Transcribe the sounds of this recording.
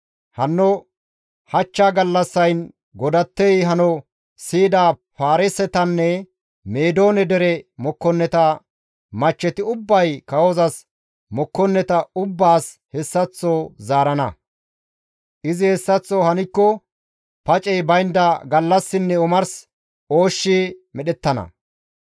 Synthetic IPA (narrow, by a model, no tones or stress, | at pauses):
hɐnːɔ | hɐt͡ʃːaːɡɐlːɐsːɐjn | ɡɔd̪ɐt̪ːɛjɦɐnɔ | siːd̪aːpaːɾɪsɛt̪ɐnːɛ | meːd̪o̞ːnɛd̪ɛɾɛmɔkːɔnːɛt̪ɐ | mɐt͡ʃːɛt̪ɪʊbːɐjkɐwɔzɐs | mɔkːɔnːɛt̪ɐʊbːaːs | hɛsːɐt͡sːoːzaːɾɐnɐ̰ | ʔɪzɪhɛsːɐt͡sːɔːhɐnɪkːɔ | pɐt͡ʃʼɛjbɐjnd̪ɐɡɐlːɐsːɪnːɛʊmɐɾs | o̞ːʃːɪmɛɗɛt̪ːɐnɐ̰